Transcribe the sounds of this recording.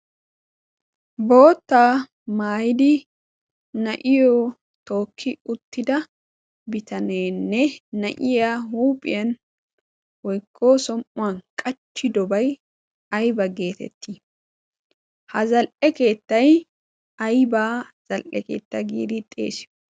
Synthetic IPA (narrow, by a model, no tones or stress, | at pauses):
bo̞ːt̪ːaː | maːjɪd̪ɪ | nɐʔɪjɔ | t̪o̞ːkʰːɪʊt̪ːɪd̪ɐ | bɪt̪ɐneːnːɛnɐʔɪjaːhuːpʼɪ̰jɐn | wɔjkʰːoːsɔmʊwɐnkʼɐt͡ʃːɪd̪ɔbɐj | ɐjbɐɡe̞ːt̪ɛ̰t̪ʰːi | hɐzɐlʔɛke̞ːt̪ːɐj | ɐjbaːz̥ɐlʔɛke̞̰ːt̪ːɐɡḭːd̪ɪt̪ʼḛːsɪ̥